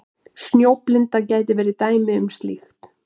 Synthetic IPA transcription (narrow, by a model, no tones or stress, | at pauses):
snjowplɪnt̪acaːjt̪ɪvɛːɾɪt̪aːjmɪʏmst̪lɪ̰xt̪